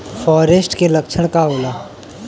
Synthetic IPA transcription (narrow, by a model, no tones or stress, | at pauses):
fɔːɾesʈkelɐkt͡ʃʰəɽ̃kaoːlaː